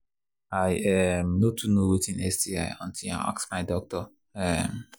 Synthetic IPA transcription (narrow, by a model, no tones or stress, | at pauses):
aɪɛmnotʰunowetĩnɛsdia̰ɪɔ̃ntʰia̰ʔa̰ksmaɪdɔk̚tɔ | ɛm